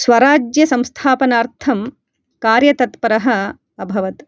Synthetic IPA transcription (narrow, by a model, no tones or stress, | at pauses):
sʋɐɾaːd͡ʒjɐsɐ̃mst̪ʰaːpɐnaːɾt̪ʰɐm | kaːɾjɐt̪ɐt̪pɐɾɐɦɐ̆ | ɐbʱɐʋɐt̪